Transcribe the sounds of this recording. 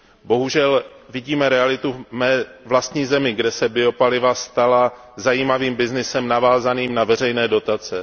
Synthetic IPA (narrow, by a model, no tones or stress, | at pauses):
bo̞ɦuʒɛl | vɪɟiːmɛɾɛalɪt̪umɛːvlast̪ɲiːzɛmɪɡdɛsɛbɪo̞palɪvast̪ala | zajiːmaviːmbɪznɪsɛmnavaːzaniːmnavɛr̝ɛjnɛːdo̞t̪at͡sɛ